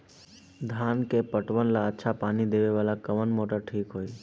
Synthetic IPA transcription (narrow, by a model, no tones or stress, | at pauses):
d̪ʱaːnkepəʈʋənlaətːʃʰapaːnid̪eʋeʋaːlakəʋənmoʈaʈʰiːkɦoːi